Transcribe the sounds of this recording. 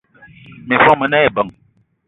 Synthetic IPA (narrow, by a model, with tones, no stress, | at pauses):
mi˨fɔ˦mə˨na˦e˨bə˨ŋ